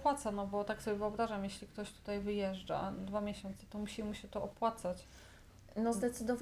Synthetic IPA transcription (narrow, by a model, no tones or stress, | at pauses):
pwat̪sanɔbɔt̪aksɔbʲjɛvɨɔbɾaʐamjeɕlʲikt̪ɔɕt̪u̥t̪ajvɘjɛʐd͡ʐa̰d̪vamʲjɛɕɔnt̪sɛ̥t̪ɔmuɕimuɕɛt̪ɔʔɔpwat̪sat͡ɕ | nɔzd̪ɛt̪sɘd̪ɔv